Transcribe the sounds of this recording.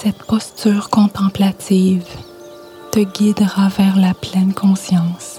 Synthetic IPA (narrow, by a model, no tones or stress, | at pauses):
sɛt̪pɔst̪yːʁkɔ̃t̪ɑ̃plat̪iːv | t̪əɡʲid̪ʁavɛʁlaplɛnkʰɔ̃sjɑ̃ːs